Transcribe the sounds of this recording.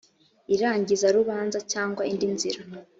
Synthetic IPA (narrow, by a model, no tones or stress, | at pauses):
iɾaːɲɟizaɾuβaːnzacaːŋɡwaindinziɾa